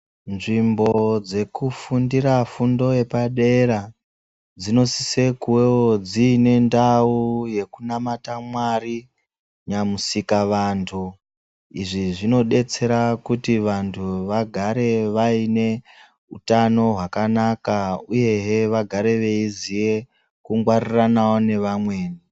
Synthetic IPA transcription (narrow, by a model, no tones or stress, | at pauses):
nʐimbo̞d͡ze̞kufundiɾafundo̞je̞paɗe̞ɾa | d͡zino̞sise̞kuwe̞wod͡ziːne̞ndauje̞kunamatamwari | ɲamusikaʋantʰu | iʐiʐino̞ɗe̞t͡se̞ɾakutiʋantʰuʋaɡʱaɾe̞ʋaine̞ | utano̞ɦwakanakauje̞ɦeʋaɡʱaɾe̞ʋe̞izije̞ | kuŋɡwariranawone̞ʋamwe̞ːni